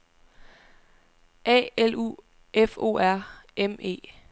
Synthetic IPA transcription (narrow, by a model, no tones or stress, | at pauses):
ʔɛ̰ːelṵː | efo̝̰ːæɐ̰eme̝̰ː